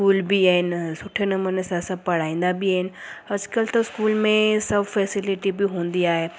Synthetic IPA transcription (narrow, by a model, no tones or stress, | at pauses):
kuːlbiaɦɪnsʊʈʰenɐmunesãsɐb̚pɐɽ̤aːĩːn̆d̪abɪəɦɪnɐd͡ʒkəlt̪ɐɪskuːlmẽsɐbfɛːsɪlɪʈibiɦõːnd̪iaːɦeː